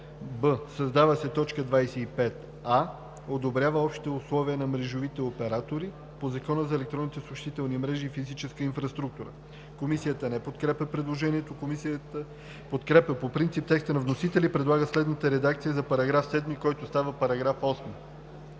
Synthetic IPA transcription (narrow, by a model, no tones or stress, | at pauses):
bəsɐzd̪avəsɛt̪ɔt͡ʃkəd̪vajsɛipɛt̪ | a | od̪obɾʲavəɔpʃt̪i̥t̪ɛʊslˠɔviənɐmɾɛʒovit̪ɛopɛɾat̪oɾi | pozɐkɔnəzɐɛlɛk̚t̪ɾɔnit̪ɛsoʃt̪it̪ɛlˠnimɾɛʒiːfizit͡ʃɛskəinfɾɐst̪ɾuk̚t̪uɾə̰ | komisijət̪ənɛpot̪kɾɛpʲəpɾɛd̪lˠoʒɛniɛt̪okomisiət̪ə | pot̪kɾɛpʲəpopɾint̪sip̚t̪ɛkst̪ənɐvnosit̪ɛlipɾɛd̪lˠaɡəslɛd̪nət̪əɾɛd̪ak̚t̪sijəzɐpɐɾɐɡɾafsɛd̪mikɔjt̪ost̪avəpɐɾɐɡɾafɔsmi